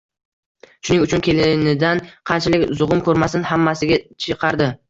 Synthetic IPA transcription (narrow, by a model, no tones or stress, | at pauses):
ʃʊnɪŋʊt͡ʃʰʊnkʲʰe̞lɪnɪd̪anqʰɑnt͡ʃʰalɪkʲzʊʁʊmkʰɵɾmasɪnhamːasɪɡʲat͡ʃʰɨqʰɑɾd̪ɪ